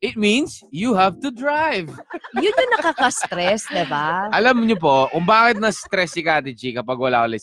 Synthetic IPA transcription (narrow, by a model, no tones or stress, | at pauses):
ʔɪt̪̚mĩnsjuhavt̪ʊd̪ɹajvjʊnɲʊŋnɐkakɐst̪ɾɛsd̪ɪbaʔɐlɐmɲop̬okʊŋbaːkɪt̪̚nɐst̪ɾɛsɪkaːt̪ɪd͡ʒikɐpɐɡwɐla̰ːkolɛ